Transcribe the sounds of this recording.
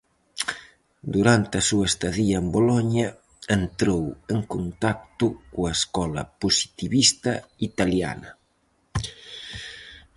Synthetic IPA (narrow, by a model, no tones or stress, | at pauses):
d̪uɾant̪ɪɐsuɐest̪aðiɐembolɔɲɐ | ent̪ɾoweŋkont̪ak̚t̪ʊkuɐeskɔlɐ̰posi̥t̪iβist̪ɐit̪alja̰nɐ